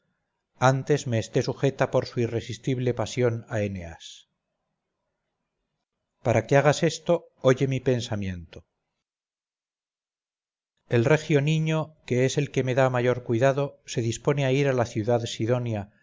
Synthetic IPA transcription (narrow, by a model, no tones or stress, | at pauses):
ant̪e̞zme̞ːst̪e̞suxe̞t̪apo̞ɾsuire̞sist̪iβle̞pasjo̞naenea̰s | paɾake̞aɣ̞ase̞st̪o̞ | oʝe̞mipe̞nsamje̞nt̪o | e̞lre̞xjo̞niɲo̞ke̞e̞se̞lke̞me̞ðamaʝo̞ɾkwiðaðo̞se̞ðispo̞ne̞aiɾalaθjuðaðsiðo̞nja